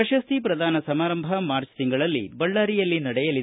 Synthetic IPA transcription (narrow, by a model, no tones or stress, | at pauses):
ɐʃɐst̪ʰipɾɐd̪ʱaːnɐsɐmaːɾɐmbʱɐmaːɾt͡ʃt̪iŋɡɐɭɐlːḭbɐɭːaːɾijɐlːinɐɽɛjɐlid̪